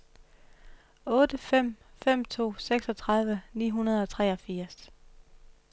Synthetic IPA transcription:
ɔ̽ːd̥əfem̰ | fem̰t͡sʰo̝̰ːseɡ̥sɒ̽t͡sʰʁɑ̈ð̞ˠʋənḭːɦunɐð̞̩ˠɒ̽t͡sʰʁɛɒ̽fiɐ̰s

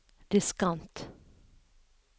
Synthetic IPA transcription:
ɾɪskant̪

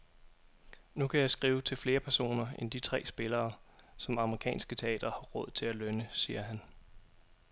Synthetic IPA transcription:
nukʰæjäɪsɡ̥ʁiːʊt͡sʰe̝lfle̝ːɐpʰæɐso̝̰ːnɐend̥it͡sʰʁɛ̰ːsb̥e̝lɐːsɒ̽mɑ̈məʁikʰɛ̰ːnsɡ̥ət͡sʰe̝ɛ̰ːd̥ɐhɑ̈ʁɔ̽ð̞̰ˠt͡sʰe̝lælønəsiːɐɦæn

